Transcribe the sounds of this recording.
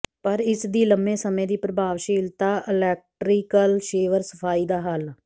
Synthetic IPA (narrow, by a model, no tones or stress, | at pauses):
pəɾɪsd̪iːləmːẽːsəmẽːd̪iːpɾəbʱaːʋʃiːlt̪aːʔɪlɛːk̚ʈɾiːkəlʃeːʋəɾsə̥fʰaːiːd̪aːɦəl